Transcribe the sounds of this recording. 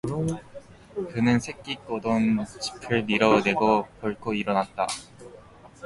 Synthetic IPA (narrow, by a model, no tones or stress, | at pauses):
kɯnɯnsʰe̞k͈ik̚k͈odont͡ɕi̥pʰɯɭmiɾʌne̞ɡokjʌɭkʰoiɾʌnat̚t͈a